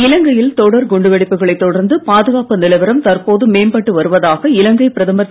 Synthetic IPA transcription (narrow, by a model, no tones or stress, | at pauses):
ɪlɐŋɡɐjɪlt̪ɔɽɐɾɡʊɳɖɯʋɐɽɪpːɯɣɐɭɐɪt̪ːɔɽɐɾnd̪ɯpaːðɯɣaːpɯnɪlɐɪʋɐɾɐmt̪ɐrpoːðɯmeːmbɐʈːɯʋɐɾɯʋɐðaːɣɐɪlɐŋɡɐɪpɪɾɐðɐmbɐ